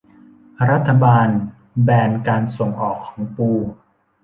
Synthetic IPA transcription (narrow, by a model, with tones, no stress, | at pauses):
ɾa˦˥t̪ʰːa˧baː˧n | bɛː˧nkaː˧nso˨˩ŋʔɔː˨˩kʰːɔː˩˦ŋpuː˧